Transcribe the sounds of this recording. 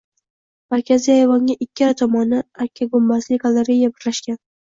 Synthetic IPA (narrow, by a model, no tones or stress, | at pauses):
maɾkʲʰazijajvɒŋɡʲaʔɪkʲʰːɪɾt̪ʰɒmɒnɪakʲʰːaɡʊmbazlɪɡalˠoɾejːabɪɾlaʃkʲan